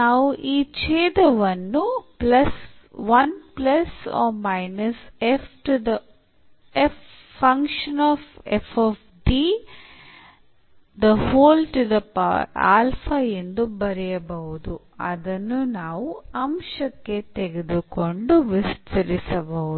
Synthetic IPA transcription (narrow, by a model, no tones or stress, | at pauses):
naːʋuʔiːt͡ʃɛːd̪ɐʋɐnːuplɐsʋɐnplɐsɔ̰ːmɐjnɐsefʰʈud̪ɐ | efː | ɐŋkʂɐnɔːfefʰoːf | ɖiː | d̪ɐhoːlʈud̪ɐpa̰a̰ːlfʰɐend̪ubɐɾɛjɐbɐɦud̪u | ɐ̰d̪ɐnːunaːʋuɐmʂɐkːet̪eɡed̪uko̞ɳɖuʋist̪ʰɐɾisɐbɐu